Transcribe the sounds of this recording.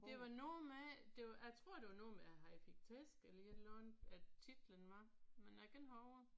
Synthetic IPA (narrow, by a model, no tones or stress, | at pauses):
d̥e̝ʋɑ̈nɔːmed̥e̝jɑɪt͡sʰʁo̝ɐ̰d̥e̝ʋɑ̈nɔːmeæɦɑ̈ifiɡ̥̚t͡sʰesɡ̥elɐelɔnæt͡sʰid̥lənʋɑ̈menæɡ̥enɦɒʊ